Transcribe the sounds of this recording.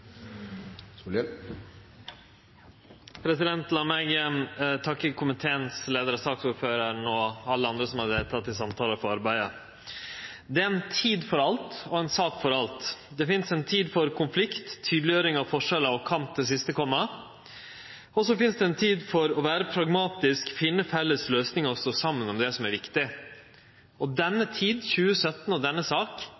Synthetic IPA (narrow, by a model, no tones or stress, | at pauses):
pʰɾɛsɪd̪ɛnt̪lɑmæɡəmt̪ʰɑkːəkʰʊmɪt̪ʰeːənsleːd̪əɾɔsɑːksuːɾføːɾəɾɳoːɑlːəɑnd̪ɾəsɔmhɑɾd̪eːlt̪ʰɑt̪ːɪlsɑmt̪ʰɑːləfɔɾɑɾbæɪə | d̪ɛɛnt̪ʰiːd̪fɔɾɑlt̪ɔɛnsɑːkfɔɾɑlt̪d̪ɛfɪnsɛnt̪ʰiːd̪fɔɾkʰʊnflɪkt̪ʰːyːd̪lɪjøːɾɪŋɑʋfɔʂɛlɑʋkʰɑmt̪̚d̪ɛs̬ɪst̪əkʰɔmːɑ | ɔs̬ɔfɪnsd̪ɛɛnt̪ʰiːd̪fɔɾɔʋæːɾəpʰɾɑɡmɑːt̪ɪskfɪnːəfɛlːəsløːsnɪŋɔsɔsɑmːənɔmd̪ɛsɔmæɾʋɪkt̪ɪ | ɔd̪ɛnːət̪ʰiːd̪çʉːəsœt̪n̩ɔd̪ɛnːəsɑːk